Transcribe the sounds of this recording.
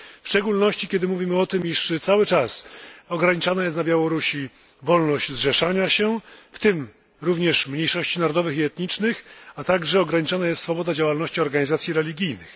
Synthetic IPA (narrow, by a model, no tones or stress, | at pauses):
fʂt͡ʂɛɡulnɔɕt͡ɕikʲɛd̪ɘmuvʲimɘɔt̪ɘmiʂt̪sawɘt͡ʂasɔɡɾaɲit͡ʂanajɛst̪nabʲjawɔɾuɕi | vɔlnɔʑd͡ʑzʐɛʂaɲaɕɛft̪ɘm | ɾuvɲɛʂmɲejʂɔɕt͡ɕinaɾɔd̪ɔvɘxiɛt̪ɲit͡ʂnɘxat̪aɡʐɛɔɡɾaɲit͡ʂanajɛst̪sfɔbɔd̪ad͡ʑawalnɔɕt͡ɕiɔɾɡaɲizat̪sʲjiɾɛlʲiɡʲijnɘx